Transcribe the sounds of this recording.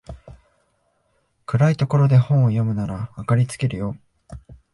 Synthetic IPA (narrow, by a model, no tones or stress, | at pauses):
kɯ̟ɾait̪o̞ko̞ɾo̞d̪e̞hõ̞ɰ̃ojo̞mɯ̟naɾaːkaɾʲit͡sɨ̥ke̞ɾɯ̟jo̞